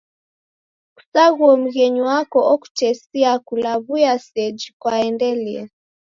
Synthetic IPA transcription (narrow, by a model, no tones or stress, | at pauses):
ku̥saɣuɔm̩ɣɛɲuwakɔʔɔku̥tɛsiakulaβujasɛd͡ʒikwaɛndɛliɛ